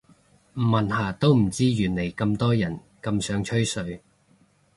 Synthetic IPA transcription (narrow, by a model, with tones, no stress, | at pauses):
m̩˨˩mːɐ˨nhaː˨˩t̪o˥wm̩˨˩t͡siː˥jyː˨˩nle˨˩jkɐ˧mt̪ɔː˥jɐ˨˩n | kɐ˧msœː˨˥ŋt͡ʃʰɵ˥ɥsɵ˧ɥ